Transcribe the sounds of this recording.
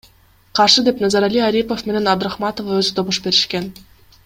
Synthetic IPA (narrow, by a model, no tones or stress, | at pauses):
qɑrʂɯd̪ʲepnɑzɑɾalʲiaɾʲipofmʲenenʲɑd̪raχmɑt̪ovaøzɘt̪oβuʂbeɾʲiʃkʲenʲ